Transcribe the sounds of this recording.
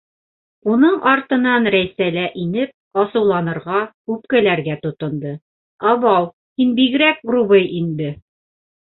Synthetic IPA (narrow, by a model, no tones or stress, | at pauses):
unɤɴʔɑɾt̪ɤ̆nɑnɾæjsælæʔinɘp̚ɑsɤ̆wlˠɑnɤ̆ɾʁɑkʉpkælæɾɡæt̪ŏt̪ɤ̆nd̪ɤ | ɑβɑw | hinbiɡɘ̆ɾæk̚ɡrubɤjʔind̪ɘ